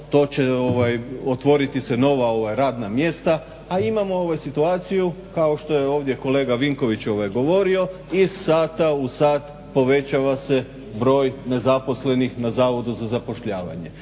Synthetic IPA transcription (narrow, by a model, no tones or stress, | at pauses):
t̪o̞ːt͡ɕe̞oʋajot̪ʋo̞ɾit̪iseno̞ʋao̞ʋajɾaːd̪namje̞st̪a | aimamo̞o̞ʋajsit̪uaːt̪siju | kao̞ʃt̪o̞jeo̞ːʋd̪je̞ko̞le̞ːɡaʋiŋko̞ʋit͡ɕo̞ʋajɡo̞ʋo̞ɾio̞ | issaːt̪ausaːt̪ | po̞ʋe̞t͡ɕaʋase̞ | bɾo̞ːjne̞zapo̞sle̞nixnazaːʋo̞d̪uzazapo̞ʃʎaːʋa̰ɲe̞